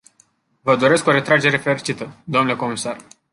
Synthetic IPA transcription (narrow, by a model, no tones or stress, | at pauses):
vəd̪o̞ɾe̞sko̞ɾe̞t̪ɾad͡ʒe̞ɾe̞fe̞ɾit͡ʃit̪əd̪oomnle̞ko̞misar